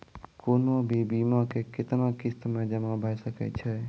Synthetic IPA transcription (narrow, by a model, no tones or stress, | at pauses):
koːnõbʱibiːmãkekɪt̪nãkɪst̪mẽd͡ʒəmãbʱaːjsəkɛ̰t͡ʃʰɛ